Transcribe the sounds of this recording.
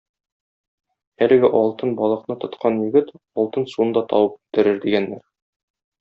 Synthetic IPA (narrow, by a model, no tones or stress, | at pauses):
ælɘ̆ɡɘʔɒlˠt̪ɤnbɒlˠɤ̆qnɤt̪ŏt̪qʰɑnjɵ̆ɡɘt̪ | ɒlˠt̪ɤnsuɤ̆nd̪ɑt̪ʰɒ̰wɤp̚ʉ̥t̪ɘ̆ɾɘɾd̪iɡænːæɾ